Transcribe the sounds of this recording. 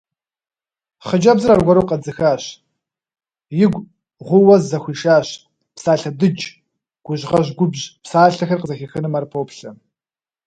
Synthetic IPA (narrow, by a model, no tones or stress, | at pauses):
χəd͡ʒɐbzɨrarɡʷɔɾowqɐd͡zɨxaːɕ | jɪɡʷ | ʁʷʊwɐzzɐxʷiːʃaːɕ | psaːɬɐdɨd͡ʒ | ɡ̥ʷʊʑʁɐʑɡʷʊbʑpsaːɬɐxɐrqəzɐxɐxɨnɨmarpʰoːpɬɐ